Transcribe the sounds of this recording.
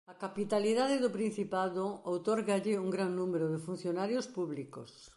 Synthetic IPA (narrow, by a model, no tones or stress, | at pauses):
ɐkapit̪aliðaðɪðʊpɾin̟θipaðʊowt̪ɔɾɣaʎɪuŋɡɾaŋnũmeɾʊðɪfun̟θjonaɾjospuβliko̰s